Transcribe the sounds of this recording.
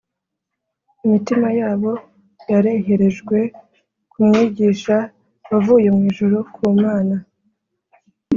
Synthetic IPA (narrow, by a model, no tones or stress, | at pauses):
imitimajaːβo̞ | jaɾe̞ɦe̞ɾe̞ʒɡwe̞ | kumŋiːɟiːʃa | βavuːje̞mŋiːʒuɾukʰuːmaːna